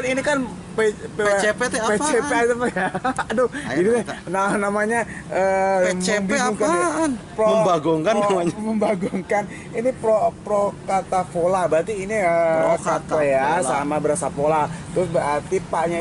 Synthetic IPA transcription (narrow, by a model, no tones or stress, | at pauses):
ninikan | pepppet͡ʃepet̪ətajadʊd͡ʒidinanamaɲaəməmbiɡʊŋkapɾoməbaɡuŋkanːaɲməmbaɡuŋkan | inipɾopɾokat̪afolabəɾart̪iːniəkat̪ajasamabəɾasapolat̪ɾʊsbəɾɦart̪ipaɲa